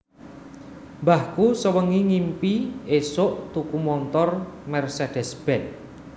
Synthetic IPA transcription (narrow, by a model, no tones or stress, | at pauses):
mbahkusəwəŋiŋimpiesʊʔt̪ukumɔnt̪ɔrmɛrsed̥ɛ̤sb̥ɛ̤t̪̚